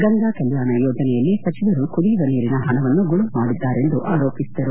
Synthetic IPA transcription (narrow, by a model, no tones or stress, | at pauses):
ɡɐŋɡ̪akɛljaːnɐjɔːd͡ʒɐnɛjɐlːisɐt͡ʃiʋɐɾukud̪iʋɐniːɾinɐɦɐnɐʋɐnːuɡuɭumaːɽid̪ːaːɾe̞nd̪uʔaːɾo̞ːpisid̪ɐɾu